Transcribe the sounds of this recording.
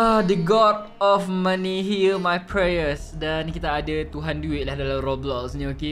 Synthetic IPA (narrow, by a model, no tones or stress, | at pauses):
adəɡɔd̚ | ɔfmãniɦilmajpʰɹejəsdankit̪aːdat̪uɦanduwɪʔ̪̚lahdalamrɔblɔksɲə̃oke